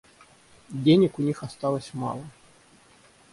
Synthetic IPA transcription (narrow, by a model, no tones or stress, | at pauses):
dʲenʲɪkʊnʲixɐst̪ɑlˠəsʲma̰lˠə